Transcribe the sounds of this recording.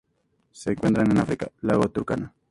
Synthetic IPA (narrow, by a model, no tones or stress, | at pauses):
seːŋkwent̪ɾanenafɾika̰laɣot̪uɾka̰na